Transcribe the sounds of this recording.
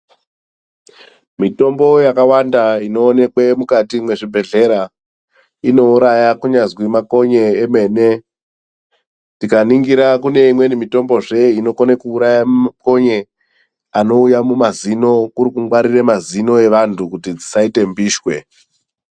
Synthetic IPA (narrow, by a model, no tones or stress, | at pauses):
mito̞mbo̞jakawandaino̞ːne̞kwe̞mukatimwe̞ʐibʱe̞ɮe̞ɾa | ino̞uɾajakuɲazwimako̞ɲeeme̞ːne̞ | tikaniŋɡiɾakune̞imwe̞nimito̞mbo̞ʐe̞ino̞konekuːɾajammako̞ɲe̞ | ano̞ujamumazino̞kuɾikuŋwaɾiremazino̞e̞ʋantʰukutid͡zisaite̞mbiːʃwe̞̰